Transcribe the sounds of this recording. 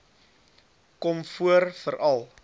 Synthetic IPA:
kɔmfuərfəɾʔɐlˠ

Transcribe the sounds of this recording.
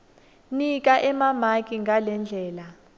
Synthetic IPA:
nik̬ʼaʔɛmamakʼiŋɡʱalɛnd͡ɮʱɛːla

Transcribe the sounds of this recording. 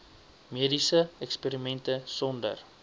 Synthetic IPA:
miədisəɛkspiːɾimɛntəsɔndə̰r

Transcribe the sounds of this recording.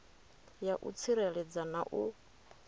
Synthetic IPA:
jaʔṵt͡sʰiɾɛɺɛd͡zanaʔu

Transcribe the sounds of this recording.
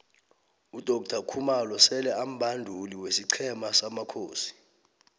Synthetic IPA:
ud̥ʱɔk̚tʰakʰumalɔsɛlɛam̩bʱandʱuliwesiǀʰɛmasamakʰoːsi̥

